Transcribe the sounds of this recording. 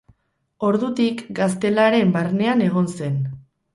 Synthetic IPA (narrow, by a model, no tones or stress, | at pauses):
o̞ɾðut̪ikɡas̬t̪e̞laɾe̞mbarne̞ane̞ɣ̞o̞nse̞n